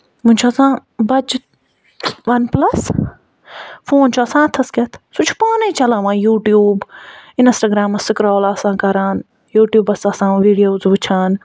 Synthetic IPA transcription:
mũɲʲt͡ʃʰoɐsãːbɐd͡ʒ | ʋɐnplɐs | fʰoːnt͡ʃʰuɐsãːɐt̪ʰɐsket̪ʰsut͡ʃʰpaːneit͡ʃɐlãːʋãːjuːʈjuːbɪnsʈaɡɾaːmɐsɪkɾɔːlɐsãːkɐɾaːn | juːʈjuːbɐsɐsãːʋiːɖijoːzʋut͡ʃʰaːn

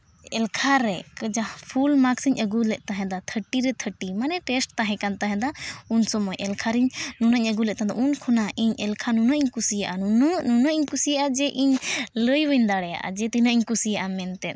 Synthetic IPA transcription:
ɛlkʰaɾɛkəd͡ʒapʰulmaksiɲʔəɡulɛʔ̚t̪aɦɛ̃d̪at̪ʰəʈiɾɛt̪ʰəʈimanɛʈɛsʈt̪aɦɛ̃kant̪aɦɛ̃d̪aunsɔmɔjʔɛlkʰaɾiɲnunəɲəɡulɛʔt̪ad̪a̰ʔunkʰɔnaʔiɲɛlkʰanunəʔiɲkusijaʔanunnunəʔiɲkusijaʔad͡ʒɛʔiɲləjwəɲd̪aɽɛja̰ʔa̰d͡ʒɛt̪inəʔiɲkusijaʔamɛnt̪ɛt̪̚

